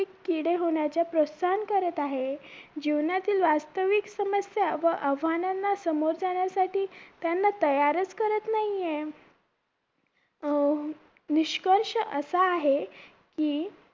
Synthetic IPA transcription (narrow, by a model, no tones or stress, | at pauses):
ikːiɽeɦoɳ̃jat͡ɕjapɾot̪sankəɾət̪aɦed͡ʑiʋnat̪iːlʋast̪əʋiksəməsjaʋəʔəʋʱananːasəmoɾd͡zaɽ̃jasaʈiːt̪janːat̪əjaɾət͡skəɾət̪naɦije | niɕkəɾʂəʔəsaːɦe | kiː